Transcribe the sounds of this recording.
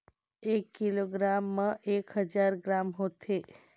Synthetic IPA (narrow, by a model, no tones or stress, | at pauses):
ekːiloɡɾamːəʔekɦəd͡ʒaɾɡɾamɦot̪ʰe